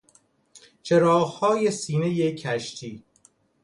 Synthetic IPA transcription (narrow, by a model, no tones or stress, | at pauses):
t͡ʃʰeɾɒːɣhɒːjesiːnejecʰæʃt̪ʰiː